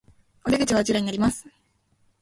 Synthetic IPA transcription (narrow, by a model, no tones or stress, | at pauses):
od̪ʲeɡɯ̟t͡ɕiβat͡ɕiɾaɲinaɾʲimasɨ̥